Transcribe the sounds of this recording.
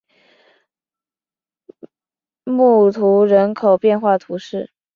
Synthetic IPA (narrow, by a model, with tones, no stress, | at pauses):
mu˥˩t̪ʰu˧˥ɻə˧˥nkʰo˨˩ʊpjɛ˥˧nxwa˥˩t̪ʰu˧˥ʂɻ̩˥˩